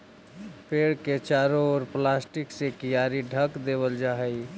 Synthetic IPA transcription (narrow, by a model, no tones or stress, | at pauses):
pʰeːɽket͡ʃaːɾoɔːɾplasʈɪksekijaːɾiɖʱəkd̪eːβəld͡ʒaɦəj